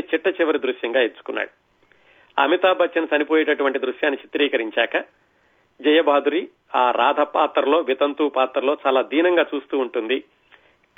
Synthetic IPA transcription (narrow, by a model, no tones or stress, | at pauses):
t͡ʃiʈːɐt͡ʃiʋɐɾid̪ɾuʃjɐŋɡaːet͡ʃːu̥kunːa̰ːɽu | ɐ̰mit̪aːbʱɐt͡ʃt͡ʃːɐnɐsɐnipoːjɛʈɐʈuʋɐɳʈid̪ɾuʃjaːnːit͡ʃit̪ɾiːkɐɾiɲt͡ʃaːkɐ | d͡ʒɐjɐbʱaːd̪ʱuɾi | aːɾaːd̪ʱɐpaːt̪ɾɐlo̞ːʋit̪ɐnt̪uːpaːt̪ɾɐlo̞ːt͡ʃaːlaːd̪iːnɐŋɡaːt͡ʃuːst̪uːuɳʈund̪i